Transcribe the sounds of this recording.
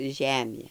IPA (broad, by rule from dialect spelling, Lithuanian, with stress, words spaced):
ˈʒʲæːmʲeː